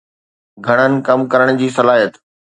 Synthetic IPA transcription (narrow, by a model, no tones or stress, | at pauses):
ɡʱɐɽ̃ənɪ̆kɐmkɐɾəɽ̃d͡ʑiːsɐlaːijət̪